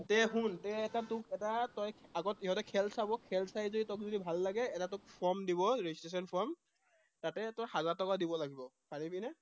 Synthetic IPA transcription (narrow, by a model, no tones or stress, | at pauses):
tɛɦuntɛɛtatʊkɛtatɔjaɡɔtiɦɔtɛkʰɛlsabɔkʰɛlsajzoditɔk̚zodibʱalːaɡɛːtatʊk̚pʰɔɹmdiβɔɹeistɹes̬ɔnpʰɔɹm | tatɛtɔjhazatɔkadibɔlaɡibɔpanibinɛ